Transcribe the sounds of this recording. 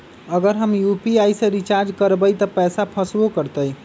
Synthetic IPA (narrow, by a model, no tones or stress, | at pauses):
əɡəɾɦəmjupiajsẽɾit͡ʃaɾd͡ʒkəɾbəjt̪ɔpɛsapʰəsbokəɾt̪əj